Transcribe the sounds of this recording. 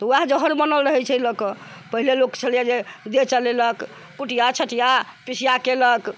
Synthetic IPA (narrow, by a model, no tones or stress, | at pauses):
t̪ɔuad͡ʒəɦəɾbənəlɾəɦɛt͡ʃʰɛləkəpəɦilelokt͡ʃʰəlijad͡ʒed̪et͡ʃəleləkː | uʈijat͡ʃʰəʈijapisijakelək